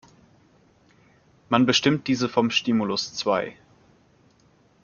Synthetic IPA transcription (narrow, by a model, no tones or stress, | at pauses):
manbəʃtɪmt̚d̥iːzəfɔmʃtiːmulʊst͡sv̥aɪ